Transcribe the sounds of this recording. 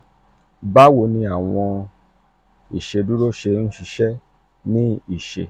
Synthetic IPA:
ba˦wo˧nĩ˧a˨w̃ɔ̃˧ | i˨ʃe˧du˦ɾo˦ʃe˧n̩˦ʃi˧ʃɛ˦ | nĩ˦i˦˨ʃe˧

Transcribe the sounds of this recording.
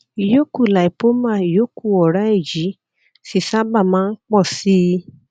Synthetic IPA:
i˨jo˦ku˦˨la˨i˨po˦mã˦˨i˨jo˦ku˦˨ɔ˨ɾa˦e˦˨d͡ʒi˨˦ | si˦˨sa˦ba˦˨mãː˦˧n̩˦k͡pɔ˦˨si˦

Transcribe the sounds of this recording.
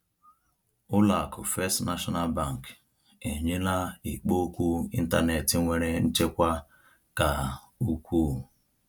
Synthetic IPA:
ʊ˦la˨kʰʊ˨fe˦stna˦ʃɔ˦na˦˨lba˦˨ŋ˨k | e˨ɲe˦la˦i˨k͡po˦kʷu˦ḭ˦n̩˦ta˦ne˨tɪ˨˦ŋʷe˨ɾe˦n̩˦t͡ʃe˦kʷa˦ | ka˨ | u˦kʷu˦

